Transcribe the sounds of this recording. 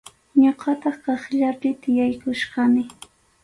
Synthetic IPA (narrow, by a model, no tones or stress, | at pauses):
ɲoqɑt̪ɑχkɑχʎapɪt̪ɪjajkʊʃɢɑmɪ